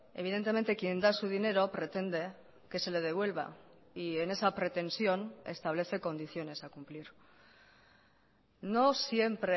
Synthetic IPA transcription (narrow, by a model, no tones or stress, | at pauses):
e̞̰β̞iðe̞nt̪e̞me̞nt̪e̞kjend̪asuðine̞ɾo̞pɾe̞t̪e̞nd̪e̞ | ke̞se̞le̞ð̞e̞β̞we̞lβ̞a̰ | ie̞ne̞sapɾe̞t̪e̞nsjo̞ne̞st̪aβle̞θe̞ko̞nd̪iθjo̞ne̞sakumpliɾ | no̞sje̞mpɾe